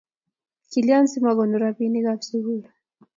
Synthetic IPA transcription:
kiliansimaɣɔnduɾapiniɣapsiɣula

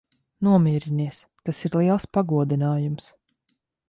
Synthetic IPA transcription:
nuɔmʲiːɾiniɛs | t̪asiɾlˠiɛlˠspaɡuɔd̪inaːjums

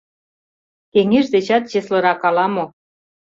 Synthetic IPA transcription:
keŋeʒd̪et͡ɕɑt̪ʑeslɤ̆ɾɑkɑlɑmo

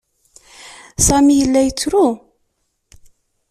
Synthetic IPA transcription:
sæmijəlːæjət͡sːɾu

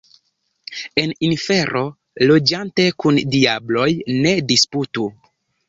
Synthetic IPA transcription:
e̞ninfe̞ɾʔo̞ | lo̞d͡ʒante̞kundiablo̞jne̞disputu

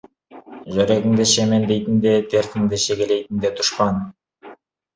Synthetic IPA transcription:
ʒøɾeɡɪŋd̪eʃemend̪ejt̪ind̪et̪ʰeɾθɪŋd̪eʃeɡelejt̪ind̪et̪ʰu̥ʃpɑn

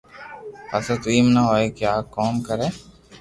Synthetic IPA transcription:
əsət̪iːmnaɦoːeːkjaːkɔːmkəɾẽː

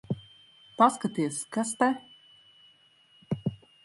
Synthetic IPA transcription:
paskat̪iɛskast̪ɛ

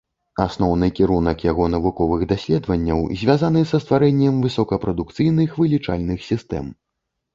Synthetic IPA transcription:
asnɔwnɨkʲiɾunɐkjaɣɔnɐvukɔvɨɣd̪asʲlʲɛd̪vɐnʲːɐ̰wzʲvʲazanɨsɐst̪vaɾɛnʲːɛmvɨsɔkɐpɾɐd̪ukt̪sɨjnɨxvɨlʲit͡ʂa̰lʲnɨxsʲist̪ɛ̰m

